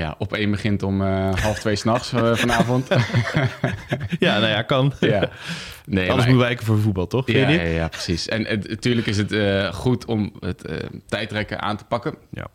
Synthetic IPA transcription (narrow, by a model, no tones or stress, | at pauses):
ja̰ʔɔpeːnbəχɪntɔməɦɑlˠftʋeːsnɑχsfɔnaːvɔnt | janojakɑnja | neːdəsmutʋɛkəfoːɹəfubɑlˠtɔxɪdijaprə̥sisɛntyːɹləkɪs̬ətəχutʰɔmətə̰tɛjtrɛkə̰ʔa̰ːntə̥pɑkəna̰